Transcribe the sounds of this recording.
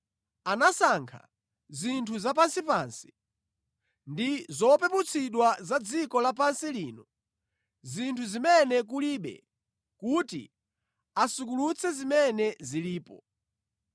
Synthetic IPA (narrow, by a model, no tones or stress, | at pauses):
anasaŋkʰa̰ | zintʰuzap̬ansipansi̥ | ndizɔpɛput͡sʰiɗwazad͡zikɔlap̬ansiliːnɔ | zintʰuzimɛnɛk̬uliɓɛ̰ | kutḭ | asuk̬ulut͡sʰɛzimɛnɛziliːpɔ